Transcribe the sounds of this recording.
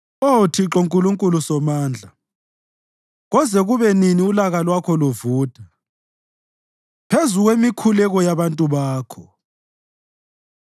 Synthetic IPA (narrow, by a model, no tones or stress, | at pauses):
otʰiǁoŋkʼuluŋkʼulusɔmaːnd͡ɮʱa | ɣɔzɛɣuβɛniniulaɣalwakʰɔluvuːtʼa | pʰezuɣwemikʰulɛɣɔjaβantʼuβaːkʰɔ